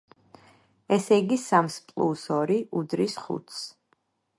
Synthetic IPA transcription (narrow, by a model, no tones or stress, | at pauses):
ɛsɛɡisamspʼlˠṵsɔɾiʔud̪ɾisχṵt̪ʰs